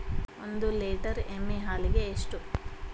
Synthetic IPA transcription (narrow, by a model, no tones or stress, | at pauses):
ond̪uleːʈɐɾemːeɦaːliɡe̞ːʂʈu